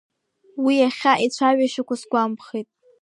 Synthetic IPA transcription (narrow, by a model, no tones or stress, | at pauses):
wiaχʲaʔit͡ɕʷʰaɥaʃakʷasɡʷampʰχijtʼ